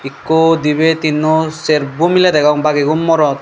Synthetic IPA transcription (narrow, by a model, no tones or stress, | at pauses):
ikːod̪ibet̪inːɔseɾbumilɛd̪ɛɡɔŋbaɡeɡumːɔɾɔt̪̚